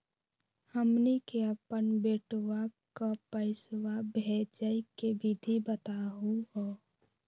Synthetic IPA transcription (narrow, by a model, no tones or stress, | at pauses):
həmnikeəpənbeːʈwakapəɪswabʱed͡ʒəikebid̪ʱibət̪aɦuɦoː